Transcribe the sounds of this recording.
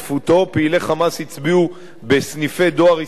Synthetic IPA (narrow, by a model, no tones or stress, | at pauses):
fut̪o̞peile̞χamashit͡sbiu | besnife̞d̪o̞aʁi